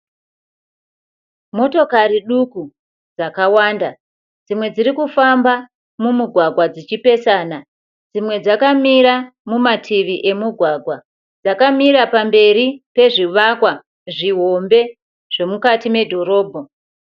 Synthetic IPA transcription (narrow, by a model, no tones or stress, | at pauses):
mo̞to̞kaɾiɗuku | d͡zakawaːnda | d͡zimwe̞d͡ziɾikufamba | mumuɡʱwaɡʱwad͡zit͡ʃipe̞saːna | d͡zimwe̞d͡zakamiɾamumatʰiʋiʔe̞muɡʱwaɡʱwa | d͡zakamiɾapambe̞ɾipe̞ʐiʋakwa | ʐiɦo̞mbe̞ | ʐ̥e̞mukatime̞dʱo̞ɾo̞ːbʱo